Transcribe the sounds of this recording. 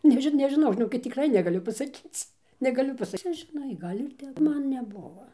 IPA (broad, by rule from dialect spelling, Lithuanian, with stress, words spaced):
ˈnʲæːʒʲɪ nʲɛʒʲɪˈnɐʊ ʒʲɪˈnoːkʲɪt tʲɪkˈrɐɪ nʲɛɡɐˈlʲʊ pɐsɐˈkʲiːt͡s nʲɛɡɐˈlʲʊ ˈpɑːsɐ ˈt͡sʲɛ ʒʲɪˈnɐɪ ˈɡɐlʲ ɪr ˈtʲɛp ˈmɐn nʲɛˈbʊʋoː